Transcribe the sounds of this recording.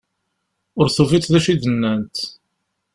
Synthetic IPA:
ʊɾθuvit͡s̪ðæʃiðənːænt̪

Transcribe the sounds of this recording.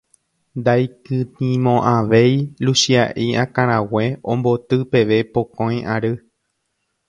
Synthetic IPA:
nd̪ajkɨnĩmõʔaʋejlusiaʔiʔãkãɾ̃ãweõmbo̞t̪ɨpe̞ʋe̞pokõjaɾɨ

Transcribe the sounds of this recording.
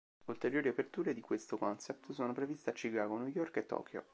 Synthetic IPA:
ult̪eɾjoːɾiapert̪uːɾed̪ikwest̪okɔnsɛp̚t̪soːnopɾevist̪eat͡ʃːikaːɡonujɔrket̪ːɔ̰ːkʰjo̰

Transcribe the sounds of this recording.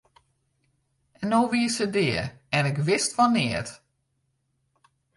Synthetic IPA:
ɛnoːʋiəsədɪːərɛnɪkʋɪstʋanɪət

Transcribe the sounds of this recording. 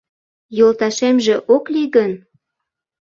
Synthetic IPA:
jolt̪ɑʃemʒĕʔokliɣən

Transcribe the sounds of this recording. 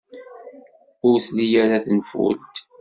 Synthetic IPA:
ʊɾθlijæɾaθənfṵlt̪

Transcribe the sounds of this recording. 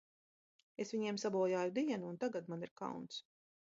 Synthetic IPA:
esvʲiɲiɛmsabɔɔjaːjud̪iɛnuːnt̪aɡat̪maniɾka̰wnt̪s

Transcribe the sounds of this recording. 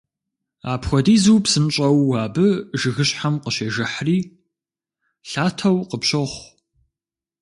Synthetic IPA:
a̰ːpxʷɔdiːzuwpsɨnɕʼɐwːaːbɨʒɨɣɨɕħamqəɕeːʒɐħriː | ɬaːtʰɐwqəpɕɐχʷ

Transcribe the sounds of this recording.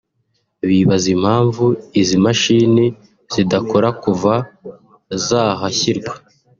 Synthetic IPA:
βiβazim̥haːɱvuizimaʃiːni | z̥idako̞ɾakuva | zaːɦaçiɾɡwḁ

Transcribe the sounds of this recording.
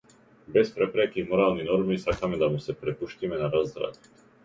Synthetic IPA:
bɛspɾɛpɾɛkimɔɾaːlninɔɾmisakamɛd̪amusɛpɾɛpuʃcimɛnaɾazɾa̰t̪

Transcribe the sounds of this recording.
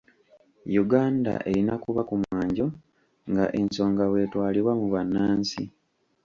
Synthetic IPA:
juɡaːnda̰ʔe̞ɾinakuβakumwaːɲɟo̞ | ŋɡa̰ʔe̞nso̞ːŋɡawe̞ːtwaːliβwamuβanːaːnsḭ

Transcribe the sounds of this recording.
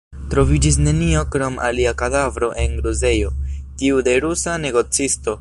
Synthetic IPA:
tɾo̞vid͡ʒis̬ne̞nio̞kɾo̞mʔa̰liakadavɾo̞ʔe̞ŋɡɾuze̞jo̞tiude̞ɾusane̞ɡo̞t͡sisto̞

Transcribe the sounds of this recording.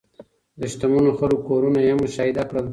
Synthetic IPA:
d̪əʃt̪amunoxəɾokoɾunajemʊʃaid̪akɽəl

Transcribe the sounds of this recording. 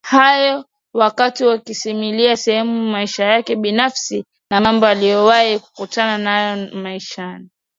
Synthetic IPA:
hajɔ | wakatiwakisimiliasɛhɛmumaiʃajakɛɓinafsi | namambɔalijɔwaiku̥kutananjɔmaiʃani

